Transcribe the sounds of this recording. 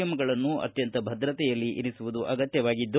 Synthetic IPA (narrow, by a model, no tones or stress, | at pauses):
ɐmɐɡɐɭɐnːuɐ̰t̪jɐnt̪ɐbʱɐd̪ɾɐt̪ɛjɐlːiʔḭnisuʋud̪uʔɐɡɐt̪jɐʋaːɡid̪ː